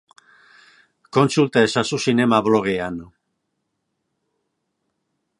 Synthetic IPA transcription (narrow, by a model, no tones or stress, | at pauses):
ko̞nsult̪aesasusine̞maβlo̞ɣ̞ean